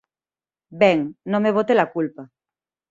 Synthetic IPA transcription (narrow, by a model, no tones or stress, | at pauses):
beŋnõmeβ̞ot̪elakulpa